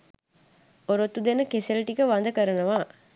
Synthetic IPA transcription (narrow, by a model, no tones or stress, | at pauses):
oɾot̪ːud̪enɐkeseliʈikɐʋɐnd̪ɐkɐɾɐnɐʋaː